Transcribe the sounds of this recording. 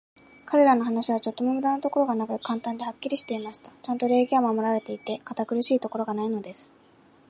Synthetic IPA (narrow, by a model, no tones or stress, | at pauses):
kaɾe̞ɾano̞ɦanaɕiβ̞at͡ɕo̞t̪ːo̞mo̞mɯ̟d̪anat̪o̞ko̞ɾo̞ɡanakɯ̟kãnt̪ãnd̪e̞hakʲːiɾʲiɕi̥t̪e̞imaɕi̥t̪ḁt͡ɕãnt̪o̞ɾe̞ːɡʲiamamo̞ɾaɾe̞t̪e̞it̪e̞kat̪akɯ̟ɾɯ̟ɕiːt̪o̞ko̞ɾo̞ɡanaino̞d̪e̞sɨ̥